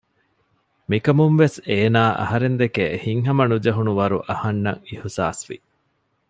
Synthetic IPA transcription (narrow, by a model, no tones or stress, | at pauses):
mikɐmumʋeseːnaːʔɐ̰ɦɐɾend̪ekehiŋɦɐmɐnud͡ʒɐɦunuʋɐɾuʔɐhɐnːɐ̰ŋihsa̰ːsʋḭ